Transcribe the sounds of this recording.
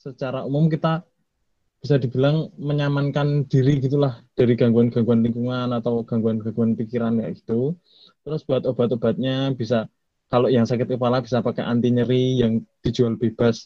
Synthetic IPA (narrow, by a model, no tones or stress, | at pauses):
sət͡ʃaɾaumʊmkit̪a | b̥isad̪i̤b̥i̤laŋməɲamankand̥iɾiɡit̪ulahd̥aɾiɡaŋɡuanɡ̥aŋɡuanliŋkuŋanat̪awɡ̥aŋɡuanɡaŋɡuanpikiɾanja̰ʔɡ̥i̥t̪u | t̪əɾʊsb̥uat̪ob̥a̤t̪ob̥a̤t̪̚ɲab̥isa | kaloʔjaŋsakɪt̪̚kəpalab̥isapakɛ̰ʔa̰nt̪iɲəɾijaŋd̪̥i̤̥d͡ʒualb̥eb̥as